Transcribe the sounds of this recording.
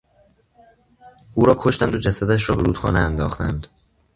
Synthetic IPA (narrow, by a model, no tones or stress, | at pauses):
ʔuːɾɒːkʰo̞ʃt̪ænd̪o̞d͡ʒæsæd̪æʃ̬ɾɒːbe̞ɾuːd̪xɒ̰ːneænd̪ɒːxt̪ænd̪